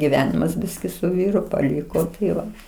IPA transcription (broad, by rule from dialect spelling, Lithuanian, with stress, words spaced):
ɡʲɪˈʋʲæːnʲɪmɐs ˈbʲɪsʲkʲɪ sʊ ˈʋʲiːrʊ pɐˈlʲɪkoː tɐɪˈʋɐ